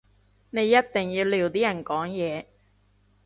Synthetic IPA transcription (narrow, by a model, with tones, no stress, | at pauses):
ne˨˧jːɐ˥t̚t̪ɪ˨˩ŋji˧wliː˧wt̪iː˥jɐ˨˩nkɔː˨˥ŋjɛː˨˧